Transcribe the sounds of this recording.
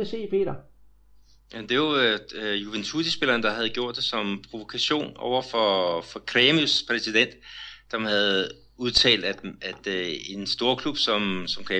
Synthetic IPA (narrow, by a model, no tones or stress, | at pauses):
ese̝̰ːpʰe̝̰ːɾɐ | jæmnd̥e̝ʋajuʋent͡sʰudisb̥e̝lɐːnd̥ɑ̈ɦæð̞̩ˠɡ̥jo̝ɐ̰d̥esɒ̽mpʰʁo̝ʋo̝kʰæɕo̝̰ːnɒʊɐfɒfɒ̽kʰʁemuspʰʁɛsid̥en̰d̥sɒmhæð̞̩ˠ | uð̞ˠt͡sʰɛ̰ːld̥æ̥æd̥e̝nsd̥o̝ːɐkʰlub̥sɒ̽msɒ̽mkʰʁɛ